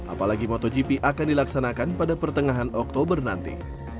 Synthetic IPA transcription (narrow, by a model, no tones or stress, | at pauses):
ʔa̰palaɡimɔt̪ɔd͡ʒipiʔakandilaksanakanpadapərt̪əŋaɦanɔk̚t̪obərna̰nt̪ḭ